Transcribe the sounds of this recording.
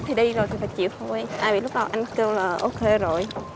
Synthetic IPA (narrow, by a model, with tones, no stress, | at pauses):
t̪ʰi˨˩ɗi˧zo˨˩jt̪ʰi˨˩faː˧˦jt͡ɕḭ˧˨əwt̪ʰo˧˩jʔaː˧bɓḭ˧˨lʊ˦˥k͡p̚ɗa˨˩wʔa˧ŋke˧wlaː˨˩ʔo˧ke˧zo˨˩j